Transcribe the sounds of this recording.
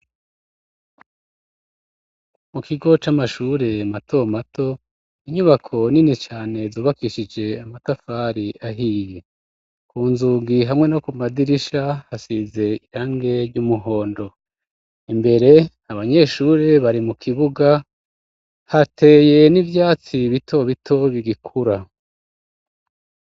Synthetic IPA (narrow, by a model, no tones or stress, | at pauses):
mukiɡo̞t͡ʃamaʃuːɾe̞mato̞matʰo̞ | iɲuβakʰo̞ninit͡ʃaːne̞zuːβakiʃid͡ʒe̞amatafaɾiaɦiːje̞ | kuːnzuːɡiɦamŋe̞nokumadiɾiʃahasize̞iɾaːŋɡe̞ɾɟumuɦo̞ːndo̞ | imbe̞ɾe̞ | aβaɲe̞ʃuɾe̞βaɾimukʰiβuɡa | hatʰe̞ːje̞nivjaːt͡siβitʰo̞βitʰo̞βiɡikʰuɾa